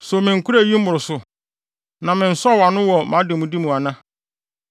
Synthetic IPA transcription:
so˨mɪ̃˨ŋ̩˨ku˦ɾa˦˨ji˦m̩˦mʊ˨ɾʊ˨sʊ˨ | nã˨mɪ̃˨n̩˨sɔ˦˨wa˨nʊ̃˦wɔ˨mã˨˦dɪ˨mũ˨di˦mũ˨a˨nã˦

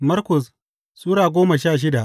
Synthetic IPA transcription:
mɐ˦rkʊ˨s | sʼuː˦ɽaː˨ɡʷoː˦ma˨ʃaː˦˨ʃ̬ɪ˦da˨ʔ

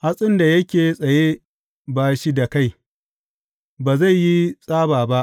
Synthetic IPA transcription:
ha˦sʼɪ˦nda˨jɐ˦kʲeː˨sʼɐ˨je˦ | baː˨ʃi˦da˨ka˦˨j | baː˨za˦˨jːi˦sʼaː˦baː˨ba˦ʔ

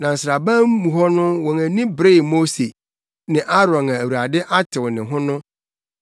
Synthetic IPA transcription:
nã˨n̩˨sɾa˨bã˦m˦mũ˨ɦɔ˦nʊ̃˦wɔ̃˨ŋæ̃˨nĩ˦bɾe˦˨mo˦se˨ | nɪ̃˨ʔa˦ɾɔ̃˨nã˨æ˨wu˨ɾa˨dɪ˦ʔa˦tʰɪ˨wnɪ̃˨ɦʊ̃˦nʊ̃˦

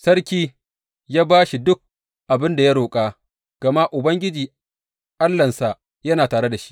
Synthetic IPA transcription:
sɐ˦ɽkʲiː˦ | jaː˦baː˦ʃi˨dʊ˦k̚ | ʔa˨bɪ˦nda˨ja˦ɽoː˨kʼaː˦ | ɡ̥ɐ˨ma˦ʔʊ˨bɐ˦ŋɡʲɪ˦d͡ʒiː˨ | ʔa˦lːɐ˨nsa˨ʔ | jɐ˦naː˨taː˨ɽe˦da˨ʃi̥˦

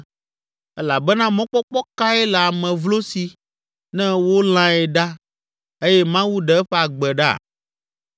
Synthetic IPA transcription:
ɛ˦la˨bɛ˦nã˦mɔ̃˦k͡pɔ˦k͡pɔ˦ka˦ɛ˦lɛ˨a˨mɛ̃˨vlo˦si˨ | nɛ̃˦wo˦l̃ã˦ɛ˨ɖa˦ | e˦jɛ˦mã˦wu˦ɖɛ˨ɛ˦ɸɛ˦a˨ɡ͡bɛ˨ɖa̰˦˨

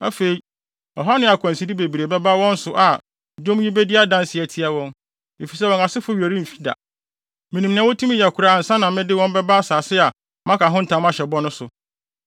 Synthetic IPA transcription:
a˦fe˨i˦ | ɔ˨ɦa˦nɪ̃˦a˨kʷʰɔ̃˨n˨si˦di˦be˨bi˨ɾe˨bɛ˦ba˦wɔ̃˦n̩˦sʊ˨ʔa˨ | dõ˦m˦ji˦be˦dɪ˦a˦dã˦nsɪ˨ɛ˨tʰi˦a˦wɔ̃˦n | e˨fi˨sɛ˦wɔ̃˨na˨sɪ˦fʊ˦ɥæ˨ɾi˦˨fi̥˦da̰˨ | mĩ˨nĩ˨mnɪ̃˨˦wɔ˦tʰũ˦mĩ˦ja˨kʰu˨ɾa˨n̩˨sã˦nã˨m˦mɪ̃˦dɪ˦wɔ̃˦mbɛ˦ba˦saː˨sɪ˦a˨ | mã˦kʰa˨ɦʊ̃˦n̩˨tʰã˨˦m˦ã˦ɕɛ˨bɔ˦nʊ̃˦sʊ˨

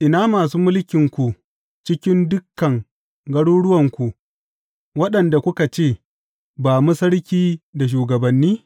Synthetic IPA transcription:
ʔɪ˨naː˦maː˨s̬uː˦mʊ˦lkʲɪ˨ŋkʷu˨ | t͡ʃɪ˦kʲɪ˦ndʊ˦kːɐ˨ŋ | ɡɐ˦ɽuː˦ɽʊ˦wɐ˨ŋkʷu˨ʔ | wɐ˦ɗɐ˨nda˨kʷʊ˦ka˨t͡ʃeː˦˨ | baː˨mu˦sɐ˦ɽkʲiː˦da˨ʃ̬uː˨ɡɐ˨bɐ˨nːiː˦

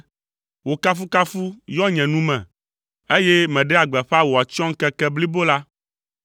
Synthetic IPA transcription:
wo˨ka˦fu˦ka˦fu˦jɔ˦ɲɛ̃˨nũ˦mɛ̃˨ | e˦je˦mɛ̃˨ɖe˦a˨ɡ͡bɛ˨ɸa˦wo˨a˨t͡ʃɔ̃˦ŋ̩˦kɛ˦kɛ˦bli˦bo˦la˦

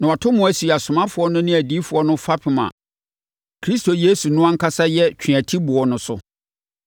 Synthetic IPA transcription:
nã˨a˨tʰʊ̃˦mʊ̃˨æ˦si˨a˨sʊ˨mã˦fʊ˨ɔ˦nʊ̃˦nɪ̃˦æ˨diː˦fʊ˨˦ɔ˦nʊ̃˦fa˦pʰɪ˨mã̰˨ | kʰɾi˦sto˨jeː˦su˨nʊ̃˦ã˦ŋ̩˦kʰa˦sa˦jɛ˦t͡ɕʰᶣĩ˨æ˨tʰi˦bʊ˨ɔ˨nʊ̃˦sʊ̰˦

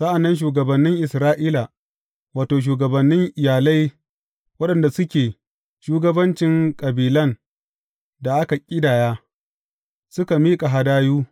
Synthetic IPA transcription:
sa˦ʔa˨nːɐ˦nʃ̬uː˨ɡɐ˨bɐ˨nːɪ˦ŋʔɪ˨sɾaː˦ʔiː˦la˨ | waː˨toː˨ʃ̬uː˨ɡɐ˨bɐ˨nːɪ˦ŋʔɪ˨jaː˨la˦j | wɐ˦ɗɐ˨nda˨sʊ˦kʲeː˨ | ʃuː˦ɡɐ˦bɐ˦nt͡ʃɪ˨ŋkʼɐ˨biː˨lɐ˦n | da˨ʔa˦ka˨kʲʼɪ˦daː˨jaː˦ | sʊ˦ka˨miː˦kʼa˨ɦa˨daː˦juː˦

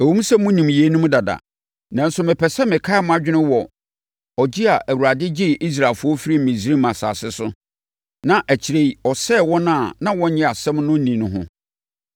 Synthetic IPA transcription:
æ˨wũ˦m˦sɛ˦mʊ̃˦nĩ˨mje˨˦nũ˦m˦da˨da̰˨ | nã˦n̩˦sʊ˦mɪ̃˨pʰɛ˨sɛ˦mɪ̃˨kʰa˦˨mʊ̃˦a˦d͡ʑᶣɪ˦nʊ̃˦wɔ˨ | ɔ˨d͡ʑi˦a˨ʔæ˨wu˨ɾa˨dɪ˦d͡ʑi˦˨ʔi˦s̬ɾa˨lfʊ˦ɔ˦fi˦ɾi˦m̩˨mĩ˨sɾi˦mã˨sa̰ː˨sɪ˦sʊ˦ | nã˨ʔæ˨t͡ɕʰi˨ɾe˦i˦ɔ˨sɛ˦˨wɔ̃˦nã˦˨nã˦wɔ̃˦ɲɛ̃˦a˨sɛ̃˦mnʊ̃˦nĩ˨nʊ̃˦ɦʊ̰̃˦

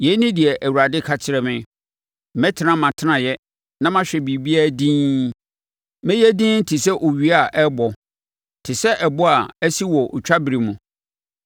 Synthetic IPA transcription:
jɛ˨˦nĩ˦dɪ˨ɛ˨ʔæ˨wu˨ɾa˨dɪ˦kʰa˨t͡ɕʰɪ˦ɾɛ˨mɪ̃˦˨ | mɛ̃˦tʰɪ˨nã˦mã˨tʰɪ˦nã˨jɛ˦ | nã˦mã˦ɕᶣɛ˨bi˨bi˦a˦˨dĩː˦ | mɛ̃˦jɛ˦dĩ˦n̩˦tʰi˨sɛ˦ʔo˨ɥi˦a˨ʔɛ˦bɔ˨ | tʰɪ˨sɛ˦ʔɛ˨bɔ˦a˨æ˦si˦wɔ˨ʔt͡ɕᶣa˦bi˨ɾi˨mũ˨

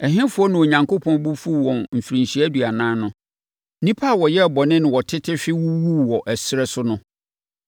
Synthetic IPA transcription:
ɛ˨ɦɪ̃˦fu˦ɔ˦nɪ̃˨o˨ɲã˨ŋko˦pʰɔ̃˦n˦bʊ˦fu˦˨wɔ̃˨nm̩˨fi˨ɾĩ˨ɲɕi˨˦æ˦du˨a˨nãː˦nʊ̃˦ | nĩ˦pʰa˦˨wɔ˨jɛ˦˨bɔ˨nɪ̃˦nɪ̃˨wɔ˨tʰɪ˦tʰɪ˦ɕᶣɪ˦wu˦wu˦wɔ˨ʔæ˨sɪ˦ɾɛ˦sʊ˦nʊ̃˦

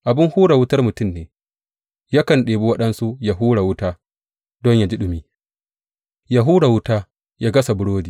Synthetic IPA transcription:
ʔa˨bɪ˦ŋhuː˦ɽa˨wʊ˦tɐ˦rmʊ˨tʊ˦mneː˨ | jaː˦kɐ˨nɗeː˨bu˦wɐ˦ɗɐ˦nsu˦ja˨ɦuː˦ɽa˨wʊ˦taː˦ | dɔ˦ɲja˦d͡ʒi˦ɗʊ˨miː˦ | ja˦ɦuː˦ɽa˨wʊ˦taː˦ | ja˦ɡɐ˦sa˨bʊ˦ɽoː˦diː˨

